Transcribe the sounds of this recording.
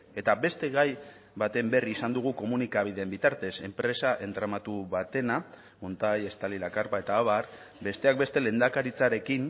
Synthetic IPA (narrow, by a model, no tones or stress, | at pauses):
e̞t̪abe̞st̪e̞ɣaj | βat̪e̞mbe̞riːsand̪uɣ̞uko̞munikaβ̞iðe̞mbit̪aɾt̪ese̞mpɾe̞saʔe̞nt̪ɾamat̪uβat̪e̞na | ont̪aje̞st̪alilakaɾpae̞t̪aːβar | be̞st̪e̞ak̚be̞st̪e̞le̞nd̪akaɾit͡saɾe̞kin